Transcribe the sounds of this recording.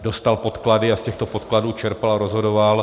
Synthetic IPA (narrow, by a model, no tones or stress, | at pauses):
do̞st̪alpo̞t̪kladɪascɛxt̪opo̞t̪kladuːt͡ʃɛɾpalaɾozɦodoval